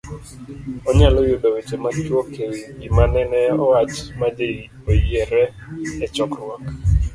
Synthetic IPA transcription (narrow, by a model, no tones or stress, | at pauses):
ɔɲalɔjʊdɔwet͡ʃematwokʰewiimanɛnɛɔwat͡ʃmadei | ojɛɾɛ | ɛt͡ʃɔkɾwak